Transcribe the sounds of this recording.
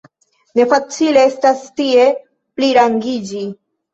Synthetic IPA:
ne̞fat͡sile̞estastie̞ | pliɾaŋɡid͡ʒi

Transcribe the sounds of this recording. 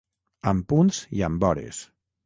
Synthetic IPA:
əmpunziəmbɔɾḛs

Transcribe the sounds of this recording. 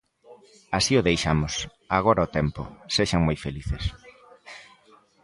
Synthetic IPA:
asiʊðejʃamʊs | aɣɔɾaot̪ɛmpo̰seʃaŋmojfeliθes

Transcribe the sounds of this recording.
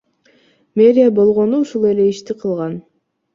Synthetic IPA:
mʲe̞ɾʲɪjabo̞lˠʁo̞nuuʃulˠe̞le̞iʃt̪iqʰɯlˠʁɑn

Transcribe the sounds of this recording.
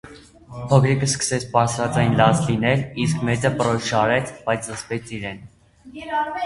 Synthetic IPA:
pʰɔkʰɾikəskə̥sɛt͡sʰpɑɾsɾɑt͡sɑjnlɑt͡slinɛliskmɛt͡səpəɾɔsʃɑɾɛt͡sʰbɑjt͡sʰləspɛt͡sʰiɾɛn

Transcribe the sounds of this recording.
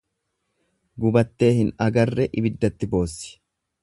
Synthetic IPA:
ɡʊbɐt̪ːe̞ːhɪnɐɡɐrːɛʔɪbɪd̪ːɐt̪ːɪbo̞ːsːɪ̥

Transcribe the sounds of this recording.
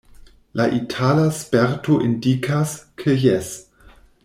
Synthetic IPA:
laʔitʰalaspeɾtoʔindikʰaskʰejes

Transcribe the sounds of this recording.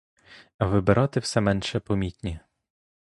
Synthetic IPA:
ɐʋɪbeɾʔɔt̪ɪwsɛmɛnʃɛpɔmʲit̪ʲnʲi

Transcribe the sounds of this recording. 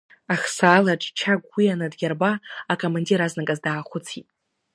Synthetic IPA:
aχsaːlaʈ͡ʂʼt͡ʃʰaɡʷːianadɡʲarbaːkʰo̞mandiɾaznakʼazdaːχʷʊt͡sʰitʼ

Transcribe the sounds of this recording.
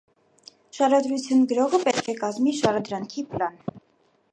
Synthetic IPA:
ʃɑɾɑd̪ɾut͡sʰjunɡəɾɔʁəpɛt̪kʰɛkɑzmiʃɑɾɑd̪ɾɑŋkʰipʰlɑn

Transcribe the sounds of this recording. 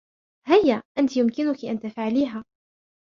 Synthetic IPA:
hajːaʔant̪ijʊmkɪnʊkiʔant̪afʕaliːɦaː

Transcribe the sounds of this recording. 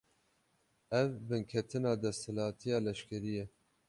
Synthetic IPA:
ɛvbɨnkʰɛt̪ʰɨnɑːd̪ɛst̪hɪlɑːt̪ʰijɑːlɛʃkɛɾijɛ

